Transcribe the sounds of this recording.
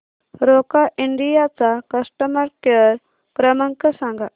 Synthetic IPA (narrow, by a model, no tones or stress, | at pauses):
ɾokaʔiɳɖijat͡sakəsʈəməɾkəɾ | kɾəmə̃ŋkəsãŋɡa